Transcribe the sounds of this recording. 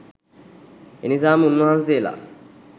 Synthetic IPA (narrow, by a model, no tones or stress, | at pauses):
ḛnis̬amunːuhansela̰